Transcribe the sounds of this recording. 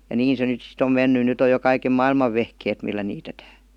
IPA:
jɑ niːn se nyt sit om menːy nyt oj jo kɑikem mɑilmɑʋ ʋehkeːt milːæ niːtetæː

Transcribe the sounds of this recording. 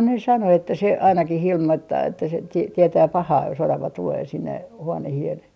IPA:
ne sɑno etːæ se ɑinɑkih ilmoitːɑː etːæ se ti tietæː pɑhɑː jos orɑʋɑ tuleː sinːe huonehien

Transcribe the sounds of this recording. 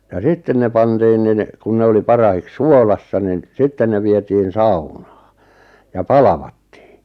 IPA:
jɑ sitːen ne pɑntiːn nin kun ne oli pɑrɑhiks suolɑsːɑ nin sitːen ne ʋietiːn sɑunɑ̥ː jɑ pɑlɑʋɑtːi̥ː

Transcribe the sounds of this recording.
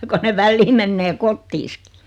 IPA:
ko ne ʋælːiː menːeː kotːiːski̥

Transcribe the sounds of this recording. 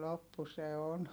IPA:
lopːu se on

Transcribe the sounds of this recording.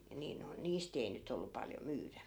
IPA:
niː noi̯n niːst ei nyt olːu pɑljo myːræ

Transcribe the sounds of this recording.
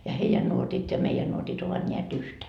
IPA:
jɑ heijæn nuotit jɑ meijæn nuotit oʋɑt nʲeæt yhtæ

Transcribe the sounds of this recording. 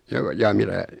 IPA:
joː jɑː mitæ

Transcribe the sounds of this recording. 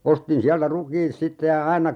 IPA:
ostin siæltæ rukiːt sitːe jɑ ɑinɑ

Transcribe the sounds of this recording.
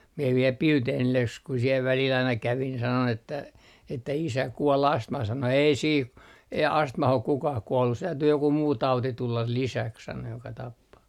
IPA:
mie ʋiel pilteːnilːe s ku siel ʋælil ɑinɑ kæʋin sɑnon etːæ isæ kuol ɑstmɑh sɑno ei siːh ei ɑstmɑh ok kukɑh kuolːus se tæytyː joku muː tɑuti tulːɑl lisæks sɑno jokɑ tɑpːɑː

